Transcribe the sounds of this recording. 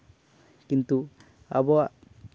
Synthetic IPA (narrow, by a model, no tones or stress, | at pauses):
kint̪u | a̰bɔ